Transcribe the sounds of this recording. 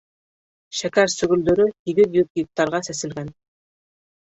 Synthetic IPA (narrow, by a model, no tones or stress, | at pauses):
ʃækæɾsɵ̆ɡɵ̆ld̪ɵ̆ɾɵhiɡɘðjupɡik̚t̪ːɑɾʁɑsæsɘ̆lɡæn